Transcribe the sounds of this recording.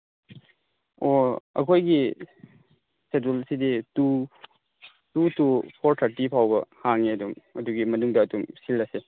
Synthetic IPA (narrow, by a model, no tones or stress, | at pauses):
oɐ̰kʰojɡi | setulsiditu | tutupʰoɾtʰɐɾtipʰawbɐhaŋeɐdumɐduɡimɐnuŋdɐːdumsilːɐse